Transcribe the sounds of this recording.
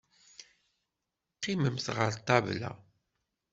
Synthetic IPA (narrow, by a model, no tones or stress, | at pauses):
qːiməmθʁəɾt̪ˤːɑvlæ̰